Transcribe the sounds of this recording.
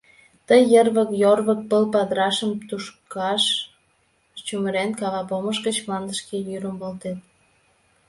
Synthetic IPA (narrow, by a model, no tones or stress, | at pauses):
t̪əjːərβəkjorβək̚pəlpɑd̪ɾɑʃəmt̪uʃkɑʃ | t͡ɕuməɾenkɑβɑpoməʃɡət͡ɕmlɑnd̪əʃkejyɾəmbolt̪en